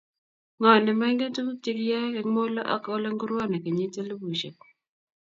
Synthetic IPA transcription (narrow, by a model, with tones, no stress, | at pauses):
ŋɔ˨nɪ˨ma˦ŋɡe˦tu˦ku˦ti˦kja˦kɛ˨˦ŋmo˦lɔ˦ʔɔ̰˦ko˦lɔ˦ŋɡu˦ɾwɔ˦˨na˨ke˨ɲi˦te˦lu˦bu˨ʃe˨k